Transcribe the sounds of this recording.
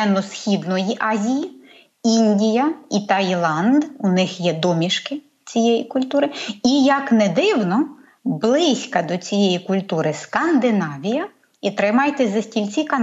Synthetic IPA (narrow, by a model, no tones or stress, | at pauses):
ɛnːɔsxʲid̪nɔjiʔɑzʲiji | inʲdʲijɐit̪ɐjlˠɑnd̪unɪxjɛd̪ɔmʲiʃkɪ | t͡sʲijɛjikʊlʲt̪uɾɪijɐknɛd̪ɪwnɔ | blˠɪsʲkɐd̪ɔt͡sʲijɛjikʊlʲt̪uɾɪskɐnd̪ɪnɑʋʲijɐ | it̪ɾɪmɑjt̪ɛzɐsʲtʲilʲt͡sʲikɐn